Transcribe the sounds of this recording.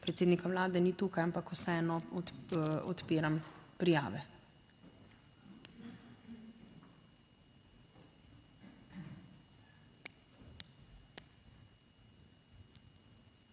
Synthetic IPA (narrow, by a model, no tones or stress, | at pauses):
pɾɛt̪seːd̪nikaʋlaːd̪ɛniːt̪uːkajampakusɛɛːnɔ | ɔt̪peːɾampɾija̰ːʋɛ